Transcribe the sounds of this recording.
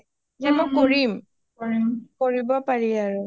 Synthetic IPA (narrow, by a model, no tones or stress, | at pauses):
d͡ʒɛmɔkoɹim | koɹimkoɹibɔpaɹiaɹʊ